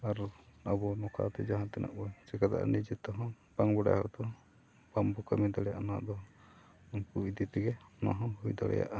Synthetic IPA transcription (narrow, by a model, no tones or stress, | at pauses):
aɾɔabɔnɔkʰa̰t̪ɛd͡ʒaɦãt̪ɛnʔa̰ʔbɔjt͡ʃɛkat̪a̰ʔa̰nid͡ʒɛt̪ːɔɦɔ̃ | b̥aŋbɔɖa̰hɔt̪ɔ | bambɔkamid̪aɽɛja̰ʔanad̪ɔ | unkuid̪it̪iɡɛnaɦɔ̃ɦujd̪ɔɽɛ̰ja̰ʔa